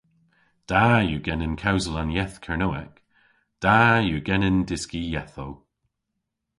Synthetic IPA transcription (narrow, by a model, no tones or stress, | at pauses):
d̥ajuɡɛnənkʰawzəlˠanjɛθkʰɛɹnoɛk | d̥ajuːɡɛnəndɪskijɛθow